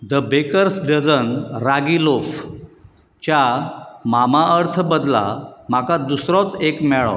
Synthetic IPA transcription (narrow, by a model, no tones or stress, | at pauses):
d̪əbekəɾsɖəd͡zənɾaɡilof | t͡ɕjamamaəɾt̪ʰbəd̪la̰m̤akad̪usɾɔ̃t͡sekmɛɭɔ̰